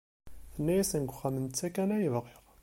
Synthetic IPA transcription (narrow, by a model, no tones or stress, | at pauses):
θənːæjæsənɡʷχæmənt͡sːækænæjəvʁiʁ